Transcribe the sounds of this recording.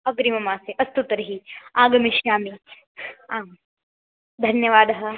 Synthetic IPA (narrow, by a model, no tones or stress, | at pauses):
ɐɡɾimɐmaːseʔɐst̪ut̪ɾɐɦiaːɡɐmiʃjaːmi | aː | d̪ʱɐnjɐʋaːd̪ɐɦɐ